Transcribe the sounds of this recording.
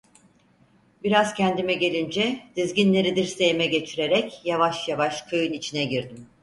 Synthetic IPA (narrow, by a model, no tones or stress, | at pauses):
biɾaz̥cʰænd̪imɛɟe̞lʲind͡ʒɛd̪̥izɟʲinlʲe̞ɾid̪iɾse̞jmɛɟe̞t͡ʃʰiɾe̞ɾɛcjavaʃjavaʃkʰɯjɯnit͡ʃʰinɛɟiɾd̪im